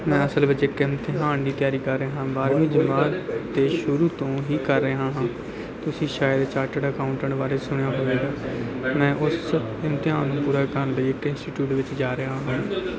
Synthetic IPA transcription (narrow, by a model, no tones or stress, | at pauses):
mɛ̃ːəsəlbəd͡ʒeːkɪmt̪ɪɦaːnd̪iːt̪ɪjaːɾiːkəɾːəeːɦãːbaːɾmĩːd͡ʒəmaːɾd̪eːʃʊɾuːt̪õːɦiːkəɾːəeɦãːɦãː | t̪ʊsĩːʃaːjəd̪t͡ʃaːɾʈəɖəkaːʊ̃ɳʈə̃ɳʈbaːɾeːsʊɽ̃ejaːɦoːeːɡaːmɛ̃ːʔʊs | ɪmt̪ɪãːnũːpuːɾaːkəɾnləiːɪkɪnsʈiːʈjuːʈʋɪt͡ʃd͡ʒaːɾəaːɦãː